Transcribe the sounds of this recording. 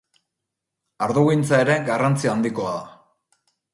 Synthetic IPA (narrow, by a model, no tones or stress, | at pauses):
aɾðoɣijnt͡sae̞ɾe̞ɡarant͡siaːnd̪iko̞aða